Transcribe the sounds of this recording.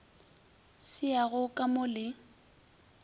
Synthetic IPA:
sɪaɣʊkʼamʊlɪ

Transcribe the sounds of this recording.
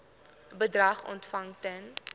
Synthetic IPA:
bədrɐχɔ̰ntfɐŋtɛn

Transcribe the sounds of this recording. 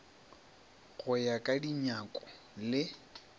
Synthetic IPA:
ɣʊjakʼadiɲakʼʊ̥ | lɪ

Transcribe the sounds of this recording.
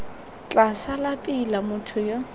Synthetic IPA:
t͡ɬʼasalapʼilamʊtʰʊjo

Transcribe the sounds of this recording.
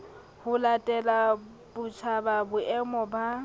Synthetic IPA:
hʊlatʼɛla | bʊt͡ʃʰababʊʔɛmɔba

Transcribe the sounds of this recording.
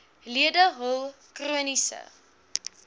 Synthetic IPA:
liədəɦɔlˠ | kruənisə̰

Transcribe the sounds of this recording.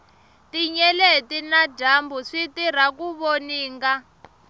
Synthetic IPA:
tiɲɛletinaɟambuʂitiɾ̤akuβoniːŋɡa

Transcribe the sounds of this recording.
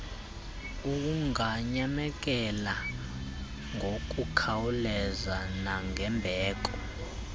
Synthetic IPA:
uk̬uŋaɲamɛk̬ɛla | ŋʱok̬ʼukʰawulɛzanaŋʱɛmbʱɛːk̬ɔ

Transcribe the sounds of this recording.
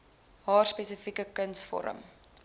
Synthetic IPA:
ɦɑːrspesəfikəkənsfɔ̰ɾə̰m

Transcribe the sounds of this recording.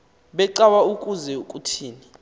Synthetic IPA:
ɓɛǃawaukʼuzɛukʼutʰiːni

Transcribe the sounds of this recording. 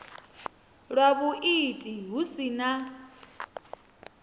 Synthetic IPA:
ɺwaβuʔitʼiɦusina

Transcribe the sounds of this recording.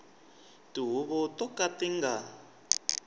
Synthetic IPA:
tiɦuβɔtɔkatiŋɡa

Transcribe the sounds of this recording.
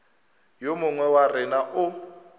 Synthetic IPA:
jomʊŋwɛwarɪnaʔʊ

